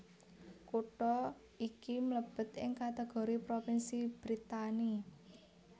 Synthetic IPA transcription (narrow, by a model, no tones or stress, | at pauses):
kuʈɔ | ikimləb̥ə̤t̪ɪŋkat̪eɡ̥ɔ̤ɾipɾopɪnsib̥ɾit̪ani